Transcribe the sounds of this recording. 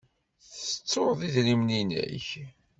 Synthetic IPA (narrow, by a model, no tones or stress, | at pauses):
θət͡sːoɾðˤiðlimninæ̰ç